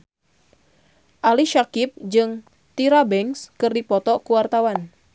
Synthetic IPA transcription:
ʔaliʃakip̚d͡ʒɨŋ | t̪iɾabɛŋskɨrdipɔt̪ɔkuwart̪awan

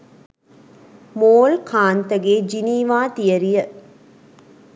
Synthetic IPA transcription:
moːlkʰaːnt̪əɡeːd͡ʒiniːʋaːt̪ijəɾijə

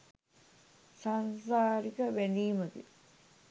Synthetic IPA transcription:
sansaːɾikəʋæniːməɡḭ

